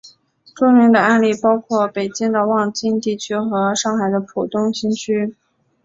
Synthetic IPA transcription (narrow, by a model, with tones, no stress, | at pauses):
ʈ͡ʂʊ˥ŋmi˧˥ŋd̪ə˧a˥˧nli˥˩pɑ˥ʊkʰwɔ˥˩pe˨˩ɪt͡ɕi˥ŋd̪ə˨wɑ˥˧ŋt͡ɕi˥˧nt̪i˥˩t͡ɕʰy˥xɤ˧˥ʂɑ˥˩ŋxa˨˩ɪd̪ə˦pʰu˨˩t̪ʊ˥ŋɕi˥ŋt͡ɕʰy˥